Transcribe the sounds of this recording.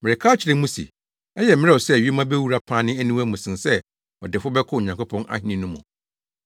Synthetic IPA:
mɪ̃˨ɾɪ˨kʰaː˦t͡ɕʰɪ˨ɾɪ̃˦mũ˦sḭ˨ | ɛ˦jɛ˨mɪ̃˦ɾɛ˦˨ɔ˨sɛ˦˨ɥi˦e˦mã˦bɛ˦wu˦ɾa˦pʰã˦nɪ̃˦æ˦nĩ˦wæ˦mũ˨sɪ̃˨nsɛ˦ | ɔ̰˨dɪ˨fʊ˦bɛ˦kʰʊ˦˨ɲã˨ŋkʰʊ˦pʰɔ̃˦nʔa̰˦hĩ˦nĩ˦nʊ̃˦mːʊ̰̃˨

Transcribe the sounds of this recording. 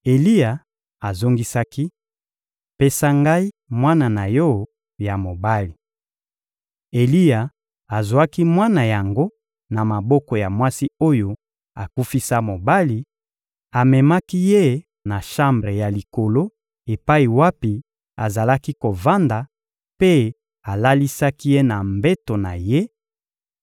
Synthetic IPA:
e˨li˦ja˨ | a˨zo˦ŋɡi˦sa˦ki˦ | pe˦sa˦ŋɡa˦i˦ | mwa˦na˨na˨jɔ˦ | ja˨mo˨ba˦li˨ | e˨li˦ja˨ | a˨zu˨a˦ki˦mwa˦na˨ja˨ŋɡo˦ | na˨ma˨bɔ˦kɔ˨ja˨mwa˦si˦o˦jo˨ | a˨ku˦fi˦sa˦mo˨ba˦li˨ | a˨mɛ˨ma˦ki˦je˦ | na˨ʃa˦mbʁe˨ja˨li˨ko˨lo˦ | e˨pa˦i˨wa˦pi˨ | a˨za˨la˦ki˦ko˨va˦nda˨ | pe˦ | a˨la˦li˦sa˦ki˦je˦na˨mbe˦to˨na˨je˦

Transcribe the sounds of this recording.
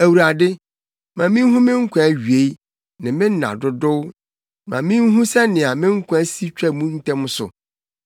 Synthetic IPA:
æ˨wu˨ɾa˨dɪ˦ | mã˨mɪ̃˦n˦ɦũ˦mɪ̃˦ŋ̩˦kʷʰã˦ɥɥe˨˦i˦ | nã˨mɪ̃˦n˦nã̰˨dʊ˦dʊ˦w | mã̰˨mɪ̃˦n˦ɦũ˦sɛ˦nɪ̃˨a˨mɪ̃˦ŋ̩˦kʷʰɛ˦si˦t͡ɕᶣɛ˦mũ˦n̩˦tʰɛ̃˦m˦sʊ̰˨

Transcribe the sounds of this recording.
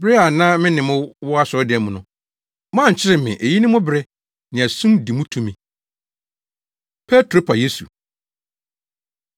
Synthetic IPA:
bɾe˦a˨nãː˦mɪ̃˦nɪ̃˨mʊ̃˦wɔ˦a˦sɔ˨˦dɪ˨ɛ˨mũ˨nʊ̃˨ | mã˦˨t͡ɕʰɪ˦ɾɪ˦mɪ̰̃˨ʔe˨ji˦nɪ̃˦mʊ̃˦bɾɛ˦ | nɪ̃˨æ˨sũ˦di˨mũ˦tʰũ˦mĩ˨ | pʰɛ˦tʰɾo˦pʰa˨je˦su˨

